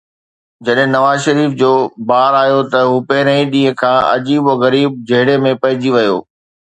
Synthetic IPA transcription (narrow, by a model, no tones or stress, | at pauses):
d͡ʑɐɗɦɪ̃nɐʋaːzʃɐɾiːfd͡ʑoːbaːɾaːjot̪ɐɦuːpeːɾə̃ĩɗĩːə̃kʰãːɐ̰d͡ʑiːboɣɐɾiːb̚d͡ʑɐɦɪɽemẽpɐɦɪ̃d͡ʑiʋɐjo̰ː